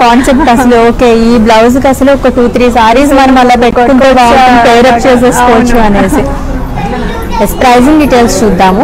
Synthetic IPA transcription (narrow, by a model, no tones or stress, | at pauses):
kaːnsep̚ʈːɐsɐluoːke̞ːiːblɐwz̬kɐsɐluɔkːɐʈuːt̪ɾiːsaːɾiːsmɐnɐmɐlːapeʈkːunt̪uʋaːɐnpejɾɐp̚t͡ʃeːs̬eːskoːt͡ʃːuɐneːsi | ekspɾɐjziŋɖiʈeːlst͡ʃud̪ːaːmu